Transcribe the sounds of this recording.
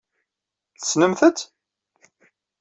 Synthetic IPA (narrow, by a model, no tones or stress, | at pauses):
θəsnəmθət͡s̪